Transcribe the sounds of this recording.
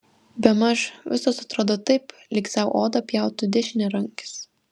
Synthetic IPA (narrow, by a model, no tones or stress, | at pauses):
bʲɛmɐʃʋʲɪsosɐt̪ɾoːd̪ot̪ɐɪp | lʲɪksʲɛʊʔoːd̪ɐpʲjɛˑʊt̪ʊd̪ʲɛʃʲɪnʲɛɾɐŋʲkʲɪ̥s